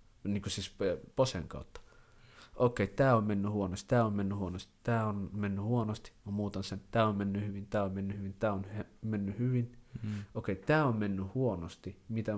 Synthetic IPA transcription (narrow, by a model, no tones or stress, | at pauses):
niːŋkusiːsposḛŋkɑ̰ˑut̪ːɑ̥ | ʔokeˑit̪æːommenːyhuonost̪t̪æːommenːyhuonost̪i̥t̪æːonmenːyhuonost̪i̥kɑmmuːt̪ɑnsent̪æːommenːyhyʋint̪æːommenːyhyʋint̪æːonemenːyhyʋinoˑkeit̪æːommenːyhuonost̪imit̪æ